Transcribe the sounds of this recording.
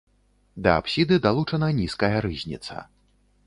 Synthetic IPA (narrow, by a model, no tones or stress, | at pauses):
d̪ɐa̰psʲid̪ɨd̪alˠut͡ʂɐnɐnʲiskɐjɐɾɨzʲnʲḭt̪sɐ̰